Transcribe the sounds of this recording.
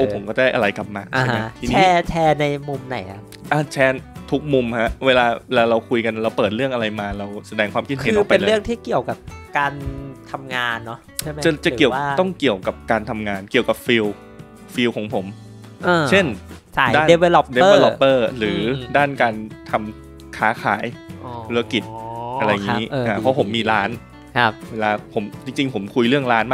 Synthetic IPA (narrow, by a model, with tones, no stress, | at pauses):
ʔoː˧˩pʰo˨˩˦mkɔː˥˩daː˥˩jʔa˧ɾa˧jkla˨˩p̚maː˧ʔʰa˧˥˩ama˦˥t̪ʰiː˧niɛ˦˧t͡ɕʰɛː˧na˧jmu˧mna˨˩jʔa˨˩ | ʔaː˧˩t͡ɕʰɛː˧t̪ʰu˦˥k̚mu˧mha˦˥ʔweː˧laː˧lɛː˧ɾa˧wkʰu˧jka˧n˧ɾa˧wpɤː˨˩t̪̚ɾɯ˥˩əŋʔa˧ɾa˧jmaː˧ɾa˧wsa˧dɛː˧ŋkʰwaː˧mkʰi˧˩a˨˦ɯː˧˦pae˧n˧ɾɯ˥˩əŋt̪ʰiː˥˩ki˨˩əwka˨˩p̚kaː˧nt̪ʰa˧mŋaː˧nːɔ˦˥t͡ɕʰa˥˩a˦t͡ɕa˨˩t͡ɕa˨˩i˨˩ə˦waː˥˩t̪ɔ˥˩ŋki˨˩əwka˨˩p̚kaː˧nt̪ʰa˧mŋaː˧nki˨˩əwka˨˩p̚fiː˧w | fiː˧wkʰɔː˩˦ŋpʰo˩˦m | ʔaː˧t͡ɕʰe˥˩nt͡ɕʰa˥˩daː˥˩e˧we˧ldeː˧˥e˧lɔ˧pːɤː˥˩ɾɯː˩˦daː˥˩nkaː˧nt̪ʰa˧m | kʰaː˦˥kʰa̰ː˩˦jpʰu˧la˦˥ki˨˩t̪̚ʔa˧ɾa˧jŋː˧˦˥ʔaː˧˩pʰɔ˦˥pʰo˩˦mːiː˧ɾaː˦˥nʰ˦ | weː˧laː˧pʰo˩˦mt͡ɕi˧ŋt͡ɕi˧ŋpʰo˩˦mkʰu˧jɾɯ˥˩əŋɾaː˦˥nmaː˥˩